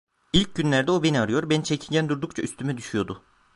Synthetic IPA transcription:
ilʲc̚ɟynlʲæɾd̪ɛobe̞niaɾɯjo̞ɾbænit͡ʃʰecʰilʲɟænd̪uɾd̪ukt͡ʃʰayst̪ʰymɛd̪yʃyjo̞d̪ʊ

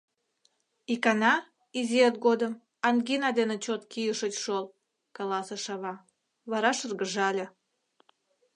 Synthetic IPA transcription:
ikɑnɑ | izʲiet̪̚ɡod̪əm | ɑnɡinɑd̪enet͡ɕot̪kijəʃət͡ɕʃol | kɑlɑseʃɑβɑ | βɑɾɑʃərɣəʒɑlʲe

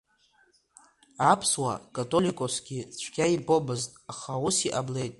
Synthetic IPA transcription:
apʰswa̰kʼatʼo̞likʼosɡʲit͡sʷʰɡʲaibʼobɨztʼaχausiʔable̞jtʼ

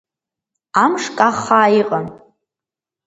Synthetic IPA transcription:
amʂkʼaχaːiqʼən

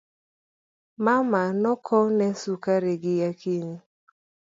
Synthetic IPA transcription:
mamanɔkʰɔnɛsukaɾeɡɪjakini

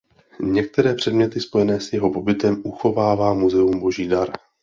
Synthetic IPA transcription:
ɲɛk̚t̪ɛɾɛːpr̥ɛdmɲɛt̪ɪspo̞jɛnɛːsjɛɦo̞po̞bɪt̪ɛmʔuxo̞vaːvaːmuzɛumbo̞ʒiːdaɾ

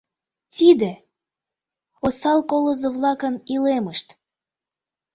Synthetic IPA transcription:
t̪id̪e | osɑlkoləzəβlɑkənileməʃt̪

